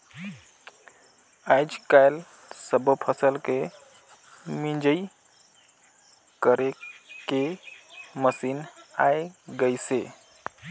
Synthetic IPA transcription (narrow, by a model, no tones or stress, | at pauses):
ajd͡ʒkajl | səbəpʰəsəlke | mind͡ʒəi | kəɾeke | məsinajɡəjse